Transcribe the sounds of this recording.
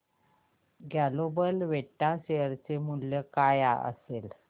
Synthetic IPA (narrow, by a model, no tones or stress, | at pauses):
ɡalobəlʋeʈːaɕejəɾt͡semuljəkaja̰ʔə̰sel